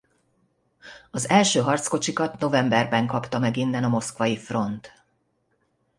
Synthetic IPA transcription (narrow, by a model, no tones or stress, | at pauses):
ɒzɛlʃøːɦɒrt̪sko̞t͡ʃikɒt̪no̞vɛmbɛrbɛŋkɒpt̪ɒmɛɡinːɛnɒmo̞skʋɒjifro̞nt̪